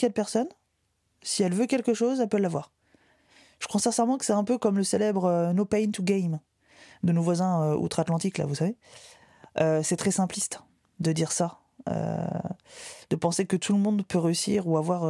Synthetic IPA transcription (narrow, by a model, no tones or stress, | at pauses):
ɛd̪pɛʁsɔn | siɛlvøkʲɛlkəʃozɛlpølːavwaːʁ | ʒəkχwasɛ̃sɛʁmɑ̃kə̥sɛt̪ɛ̃pøkɔmləselɛbʁønopaint̪uɡajm | d̪ənovwazɛ̃øṵt̪χat̪lɑ̃t̪ikla̰vusave | øsɛt̪χɛsɛ̃plist̪ | d̪əd̪iʁsa | ø̰ | d̪̥əpɑ̃sekət̪ʰuləmɔ̃d̪pøʁeysḭʁuavwaʁ